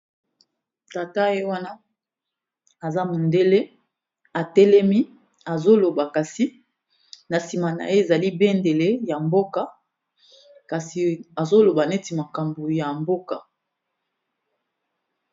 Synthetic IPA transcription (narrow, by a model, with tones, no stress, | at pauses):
ta˨ta˦je˦wa˦na˦ | a˨za˦mo˨nde˦le˦ | a˨tɛ˦lɛ˦mi˦ | a˨zo˦lo˨ba˨ka˨si˨ | na˨si˨ma˨na̰˨e˦e˨za˨li˦be˦nde˨le˦ja˨mbo˦ka˦ | ka˨si˨a˨zo˦lo˨ba˨ne˦ti˨ma˨ka˨mbo˨ja˨mbo˦ka˨